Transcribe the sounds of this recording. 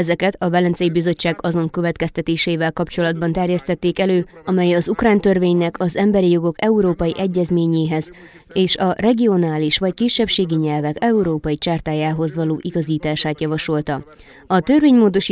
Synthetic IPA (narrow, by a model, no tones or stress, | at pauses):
ɛzɛkɛt̪ɒvɛlɛnt̪sɛjibizo̞t͡ʃːaːɡɒzo̞ŋkø̞vɛt̪kɛst̪ɛt̪eːʃeivɛlkɒpt͡ʃo̞lɒd̪bɒnt̪ɛrjɛst̪ɛt̪ːeːkɛløːɒmɛjɒzukraːnt̪ørveːɲnɛkʰɒzɛmbɛɾijo̞ɡo̞kɛuɾoːpɒjiʔɛɟːɛzmeːɲeːɦɛz | eːʃɒrɛɡio̞naːliʃʋɒckiʃːɛpʃeːɡiɲɛlvɛkɛuɾoːpɒjit͡ʃaːrt̪aːjaːɦo̞zʋɒloːʔiɡɒziːt̪aːʃaːt̪jɒvɒʃo̞lt̪ɒ | ɒt̪ørveːɲmoːd̪o̞ʃi